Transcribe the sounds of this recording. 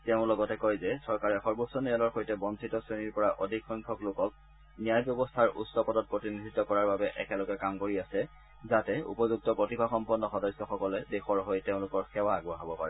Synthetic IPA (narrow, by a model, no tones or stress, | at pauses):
teʊ̃lɔɡɔtɛkojzɛsɔɹkaɹɛxɔɹbɔsɔnijɔlɔɹxojtɛbɔnsʰitɔsɹeniɹpɔɹaʔodʱikxɔjŋkʰɔklokɔk̚ | nijajbjɔbɔstʰaɹʔṵtsɔpɔdɔt̚pɹotinidʱitɔkɔɹaɹbabɛʔɛ̰kɛlɔɡɛkamkoɹiasɛ | zatɛṵpɔzuk̚tɔpɹotibʰaxɔmpɔnːɔxɔdɔsɔxɔkɔlɛdexɔɹɦojteʊ̃lʊkɔɹxɛwaːɡuaɦabɔpa̰ɹɛ